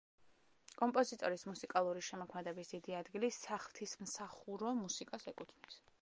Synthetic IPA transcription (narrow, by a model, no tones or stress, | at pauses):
kʼɔmpʼɔzit̪ʼɔɾismusikʼalˠuɾiʃɛmɔkʰmɛd̪ɛbisd̪̥id̪iad̪ɡilisaχlˠt̪ʰismsaχuɾɔmusikʼasɛkʼut̪ʰnis